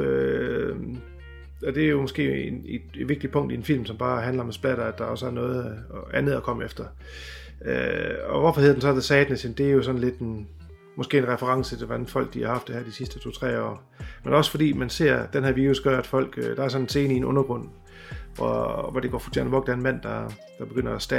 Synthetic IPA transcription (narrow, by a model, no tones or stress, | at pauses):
ø | ɒ̽d̥e̝æɐjo̝mɒ̽sɡ̥e̝̰ːened̥ed̥ʋeɡ̥̚d̥ipʰɔ̽ŋ̰d̥ienfil̰msɒ̽mb̥ɑ̈ːɦænlɐɒ̽mæsb̥læɾ̥ɐæd̥ɑ̈ɒ̽sæɐnɔ̽ːð̩ˠʔænð̩ˠækʰɒ̽məefd̥ɐ | øɒ̽ʋɒfɒ̽heð̰ˠd̥en̩sɒd̥esɛːd̥net͡sʰend̥e̝æɐjo̝sɒ̽n̩le̝d̥en | mɒ̽sɡ̥e̝̰ːenʁɛfəʁɑ̈ŋsət͡se̝d̥eʋænfɒ̽l̰ɡ̥̚d̥ihɑ̈hɑ̈fd̥ehæɐ̰d̥isisd̥ət͡sʰo̝̰ːt͡sʰʁɛ̰ːɒ̰ː | menɒ̽sə̥fɒ̽d̥ḭːmænse̝ɐ̰d̥enɦæɐʋiːusɡ̥ɶɐæd̥fɒ̽l̰ɡ̥d̥ɑ̈æɐsɒ̽nense̝ːnəienɔ̽nɐɡ̥ʁɔ̽n̰ | ʋɒʋɒdeɡ̥ɒ̰ːfu̥t͡sʰḛɐ̰nʋɒ̽ɡ̥d̥ænmæn̰d̥ɑ̈ | d̥ɑ̈b̥e̝ɡ̥øn̰ɐæsd̥æ